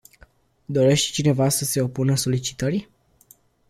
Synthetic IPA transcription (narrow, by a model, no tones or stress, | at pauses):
d̪o̞ɾe̞ʃt̪t͡ʃine̞vasəse̞o̞punəso̞lit͡ʃi̥t̪əɾi